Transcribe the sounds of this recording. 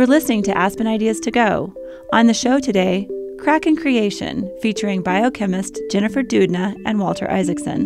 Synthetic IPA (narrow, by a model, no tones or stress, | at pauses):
ə˞lɪsnɪ̃ŋtʰɨʔæspɨ̃ñaɪdiɨz̥tʰɨɡoʊ | ʔə̃nðɨʃoʊɾɨdeɪkʰɹ̥ækɨ̃nkʰɹ̥ieɪʃɨ̰̃nfit͡ʃə˞ɪ̃ŋbaɪoʊkʰɛ̃mɨstd̥ʒ̥ɛñɨfə˞dʉdⁿnɨʔɨ̃nwɔlˠtʰə̰˞ʔa̰ɪzɨksɨ̰̃n